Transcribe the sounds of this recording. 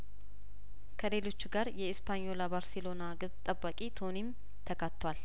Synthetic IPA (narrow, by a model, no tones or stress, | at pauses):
kʰəle̞lo̞t͡ʃːɡaɾjɛɪspʰaɲolabaɾsɛlo̞naɡɨβt̪ʼəbːakʼit̪ʰo̞nim | t̪ʰəkʰət̪ːwal